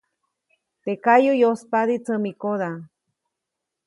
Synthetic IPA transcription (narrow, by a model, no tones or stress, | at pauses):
t̪ekajujospad̪it͡səmikoða